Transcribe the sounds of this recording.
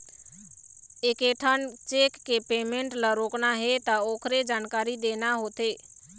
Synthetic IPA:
eːkeʈʰənt͡ʃekːepemẽɳʈləɾoːknaɦet̪aoːkʰɾed͡ʒaːnkaːɾid̪enaɦot̪eː

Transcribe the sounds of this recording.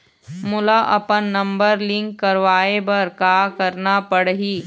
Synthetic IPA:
mʊlaʔɐpənːɐ̃mbəɾlɪ̃ŋkːɐɾʋaːebɐɾkaːkɐɾnapɐɽɦiː

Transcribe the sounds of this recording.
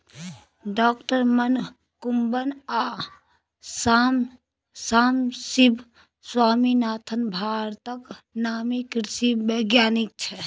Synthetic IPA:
ɖɔːkʈəɾmən | kumbənaː | sm | saːmsibʱ | swaːminaːt̪ʰənbʱaːɾt̪əknaːmikɾsibəɡjaːnik̚t͡ʃʰɛ

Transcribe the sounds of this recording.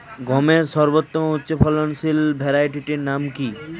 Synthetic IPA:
ɡɔmeɾsɔɾbot̪ːomoutːɕopʰɔlonsilbʱɛɾajʈiʈiɾnamki

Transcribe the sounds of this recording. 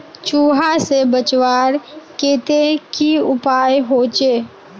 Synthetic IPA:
t͡ʃuːɦasebət͡ʃwaːɾkeːt̪ekiʊpaːjɦoːt͡ʃeː

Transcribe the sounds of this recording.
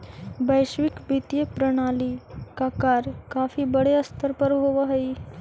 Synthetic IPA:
bəjɕʋikbit̪jepɾəɽ̃aliːkakaɾkafiːbəɽeəst̪ʰəɾpəɾɦoʋəɦəi

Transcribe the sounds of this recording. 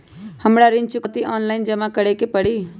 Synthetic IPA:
həmɽaɾɪ̃nt͡ʃukət̪iʔɔːnlaɪnd͡ʒəmãkəɽekepəɽi

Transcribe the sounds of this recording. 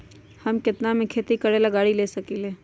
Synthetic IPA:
hɐmkɪt̪namẽkʰeːt̪ikɐɽelɐɡaːɽileːsɐkiːleː

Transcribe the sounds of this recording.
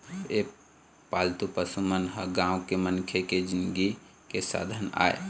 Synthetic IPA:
e | paːlt̪upəsumənɦəɡãːʊ̃kemənkʰeked͡ʒɪnɡi | kesa̰ːd̪ʱəna̰ːḛ

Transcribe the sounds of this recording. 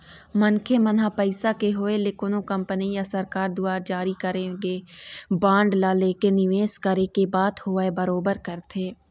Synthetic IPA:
mɐnkʰemɐnɦapɐɪsakeɦoelɪkonõkɐ̃mpənijasɐɾkaːɾd̪ʊaːɾd͡ʒaːɾikɐɾẽɡebãːɳɖlaleːkenɪʋeːskɐɾekebaːd̪hoːaebɐɾoːbəɾkɐɾt̪ʰeː

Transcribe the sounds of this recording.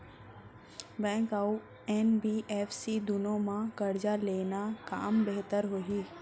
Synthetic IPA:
bɛ̃ːŋkau | ɛːnbiːʔɛːfʰsid̪ʊnõmãkəɾd͡ʒaleːnaka̰ːmbeɦt̪əɾɦoːɦiː

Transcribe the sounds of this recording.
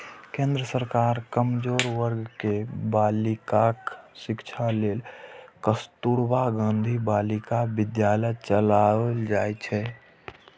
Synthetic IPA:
kẽːnd̪ɾəsəɾkaːɾkəmd͡ʒoːɾwəɾɡkebaːlɪkaksɪkt͡ʃʰaleːlkəst̪uːɾbaɡãːnd̪ʱibaːlɪkabɪd̪jaːlət͡ʃəlald͡ʒaːet͡ʃʰɛ

